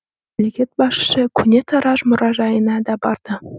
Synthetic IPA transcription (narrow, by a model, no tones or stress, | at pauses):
lʲeɡʲet̪̚bɑʂːɘ̆kʲynʲet̪ɑ̆ɾɑʃmŏɾʔɑʒɑjɤnɑd̪ɑbɑ̰rd̪̥ɤ̆